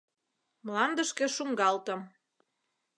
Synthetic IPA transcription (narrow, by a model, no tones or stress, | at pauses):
mlɑnd̪əʃkĕʃuŋɡɑlt̪ə̆m